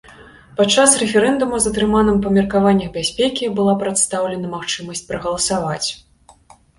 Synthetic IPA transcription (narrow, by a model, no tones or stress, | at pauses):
pat͡ʂːasrɛfʲɛɾɛnd̪umuzɐt̪ɾɨmanɨmpɐmʲirkavanʲːɐxbʲasʲpʲɛkʲibɨlˠapɾat̪st̪awlʲɛnɐmaxt͡ʂɨmɐsʲt͡sʲpɾɐɣɐlˠɐsavat͡sʲ